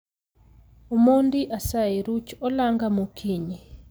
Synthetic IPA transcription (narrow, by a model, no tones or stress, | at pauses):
omondiʔasaeɾut͡ʃɔlaŋɡamokʰiɲi